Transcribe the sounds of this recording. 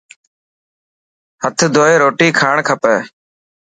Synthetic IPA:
hət̪ʰd̪ʱoːeːɾoːʈiːkʰaːɳkʰəpɛː

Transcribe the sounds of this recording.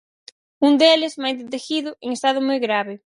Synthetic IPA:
und̪elɪzmajd̪et̪exiðʊʔeŋest̪aðʊmojɣɾaβɪ

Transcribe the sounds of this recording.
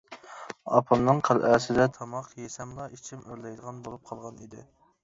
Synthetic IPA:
ɑ̰pʰɑnnɨŋqʰælʔæsɪd̪ɛt̪ʰɑmɑqjesɛmlˠɑʔit͡ʃʰimøɾlɛjd̪əʁɑnbolˠup̚qʰɑlˠʁɑnḭd̪ɪ̰

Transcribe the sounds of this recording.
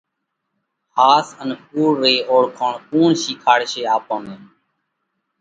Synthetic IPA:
haːsənpuːɾːeːoːɽkʰoːɳkuːɳʃiːkʰaːɽʃeːaːpə̃ːmẽːn

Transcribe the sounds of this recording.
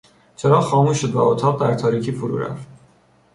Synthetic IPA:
t͡ʃʰeɾɒːxɒːmuːʃod̪væ̰ot̪ʰɒːɣ̚d̪æɾt̪ʰɒːɾiːcʰiːfuɾṵːɾæ̰ft̪

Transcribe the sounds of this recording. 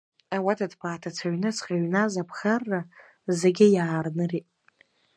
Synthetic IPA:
awatʰadpʰaːtʰat͡sʰaɥnɨt͡sʰqʲʼaɥnazapʰχarːa | zeɡʲɪjaːrnɨritʼ

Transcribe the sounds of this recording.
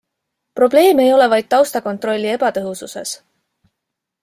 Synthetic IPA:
pro̞ble̞ːme̞jo̞le̞vɑjd̪̥̚t̪ɑwst̪ɑko̞nt̪ˑro̞lʲːie̞b̥ɑt̪ɤɦususe̞̰s

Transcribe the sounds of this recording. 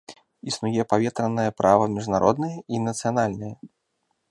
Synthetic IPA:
isnujɛpavʲɛt̪ɾɐnːɐjɐpɾʔavɐmʲiʐnaɾʔɔd̪nɨjɛʔinɐt̪sɨjanalʲnɨjɛ

